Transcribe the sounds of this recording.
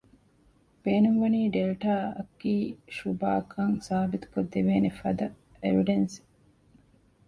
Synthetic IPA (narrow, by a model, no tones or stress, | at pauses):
b̥eːnuŋʋɐniːɖelʈaːɐ̰kːiːʃuba̰ːkʰɐŋsaːbit̪u̥kod̪ːeʋeːnefɐ̰d̪ɐ | eɾiɖensi̥